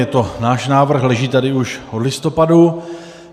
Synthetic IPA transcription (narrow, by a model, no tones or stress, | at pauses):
ɛt̪o̞naːʃnaːvr̩xlɛʒiːt̪adɪuʃʔodlɪst̪o̞padu